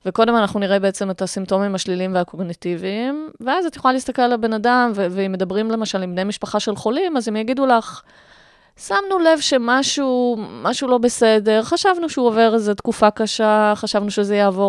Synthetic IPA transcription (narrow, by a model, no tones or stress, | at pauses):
veko̞de̞manaχnuniʁebeet͡se̞metasimto̞mimaʃliliimveako̞ɡnitiviːmveazat̪jχolalist̪akelalabe̞nadamveveimːe̞d̪abʁimle̞maʃalimbnejmiʃpaχaʃe̞lχo̞limazemjaɡidulaχ | samnule̞vʃe̞maʃumaʃulo̞be̞se̞de̞ʁχaʃavnuʃeuove̞ʁezet̪kufakaʃaχaʃavnuʃezejaːvo̞